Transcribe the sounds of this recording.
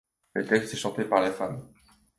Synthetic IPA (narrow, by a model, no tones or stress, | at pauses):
lət̪ɛkst̪ɛʃɑ̃t̪epaʁlefam